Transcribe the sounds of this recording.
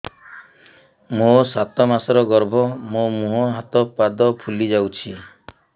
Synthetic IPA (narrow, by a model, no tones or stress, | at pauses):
mosat̪ɔmasɔɾɔɡɔɾbʱɔmomuɦɔɦat̪ɔpad̪ɔpʰulid͡ʒawt͡ʃʰie